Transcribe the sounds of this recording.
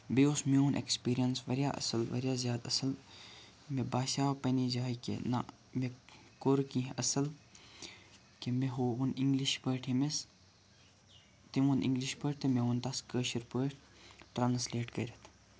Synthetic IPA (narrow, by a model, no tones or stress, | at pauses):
beosmeunʔḛkspiːɾijɐnsʋɐɾʲjaːʔɐ̰səlʋɐ̰ɾjaːzjaːd̪ɐsəl | mebaːʃaːwpɐnid͡ʒaːikḛna̰ | me | koɾkĩːɦʔɐsɐl | kemeɦouniŋɡliʃpəːʈʰimes | t̪imunḭ̃ŋɡliʃpəʈt̪ɐmeunt̪askəːʃiɾpəːʈ | ʈɾaːnsleːʈkɐɾʲɐt̪ʰ